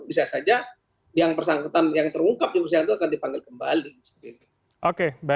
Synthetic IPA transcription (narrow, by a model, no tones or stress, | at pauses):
bisasad͡ʒa | jaŋpərsaŋkut̪anjaŋt̪əɾuŋkap̚d͡ʒupəs̬iaŋt̪uakandipaŋɡɪlkəmba̰lisə̥tini | ʔokeba